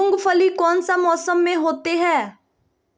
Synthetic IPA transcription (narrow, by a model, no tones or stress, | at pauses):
ʊŋɡpʰəliːkɔːnsaːmɔːsəmːẽɦoːt̪eːɦɛː